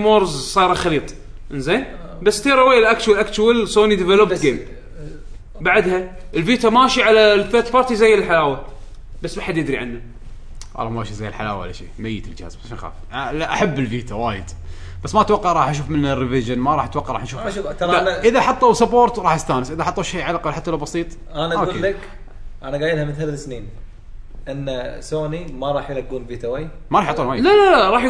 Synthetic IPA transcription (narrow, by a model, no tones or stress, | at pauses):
moːɾzsˤɑːɾˤɑxɑliːt̪ˤ | ʔɪnzeːn | basːt̪iːɾˤɑwejːlʔakt͡ʃwalʔakt͡ʃwalsoːnid̪ɪvɛlopɡeːm | baʕd̪ha | ʔəlfiːt̪amaːʃiʕalalfet̪fɑɾt̪izajːɪllħalaːwa | basːmaħad̪jɪd̪ɾiʕanːa | ʔɑ̰lamaːʃizajːɪlħala̰ːwaʔa̰la̰ʃḭːmajːət̪ld͡ʒha̰ːzbʃaxa̰ːflaʔaħabːɪlfiːt̪ʰawaːjə̰d̪ | basːmaʔat̪wɑqːɑʕɾˤɑːħʔaʃ̬uːfmɪnːarːivɪʒənmaɾˤɑːħʔat̪wɑqːɑʕˤɾˤɑːħʔnʃuːfʃuːɑaʔɪðaħɑt̪ˤːɑwsɨpoːɾt̪ɾˤɑːħast̪aːnɪsʔɪðaʔħɑt̪ˤːɑwʃejːʕalaqalħat̪ːalawbɑsiːt̪ˤ | ʔanaʔaoɡuːlːak | ʔanaɡaːjɪlhamɪθllsniːn | ʔɪnːasoːnimaɾˤɑːħjlaɡːuːnviːt̪awaj | maɾˤɑħjʕt̪ˤuːnwaːjlalaɾˤɑːħ